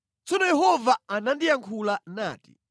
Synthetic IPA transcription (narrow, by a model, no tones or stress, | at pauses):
t͡sɔnɔjɛɦɔvaanandijaŋkʰulana̰ːtḭ